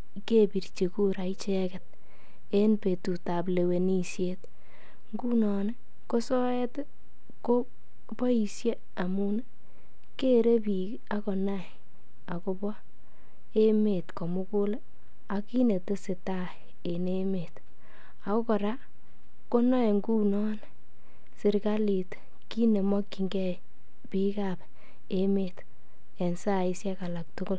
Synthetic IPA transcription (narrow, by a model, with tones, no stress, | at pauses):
ke˦pi˨rt͡ʃe˨ku˦ɾa˨it͡ʃɛ˦kɛ˨t̚ | e˦npe˨tu˨ta˨p̬le˨we˨ni˦sjet | ŋɡu˦nɔ˨ne˦ | ko˦sɔ˦ɛ˦t | ko˦ | pɔ˦i˨sje˦ | a˨mu˦ne˦ | ke˦ɾe˦pi˨k | a˦kɔ˨na˦˨j | a˨ko˦bɔ˦ | e˦me˨tkɔ˨mʊ˦ku˦le˦ | a˨ki˦ne˨te˦sɪ˨ta˦ | e˨ne˦me˨t | a˨ko˦kɔ˨ɾa˦ | ko˦nɔ˦e˨ŋɡu˦nɔ˦n | sɪ˨ɾka˦li˨t | ki˦ne˨mɔ˦kːi˨ŋɡɛ˦ | pi˦ka˨p | e˦me˨t | e˨nsa˦˨i˦sja˦ka˨la˨k̚tʊ˦kʊ˦l